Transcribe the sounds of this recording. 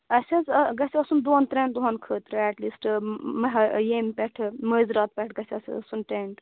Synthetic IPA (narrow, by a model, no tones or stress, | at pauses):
ɐsʲɐzɡɐsiɐsund̪oːnt̪ɾɛ̃nd̪uɦɐnkʰəːt̪ɾɨɛʈliːsʈmɦjemʲpɛʈʰməzɾɐt̪̚pʲɛʈʰɡɐsʲɐsʲsunʈeɳʈ̪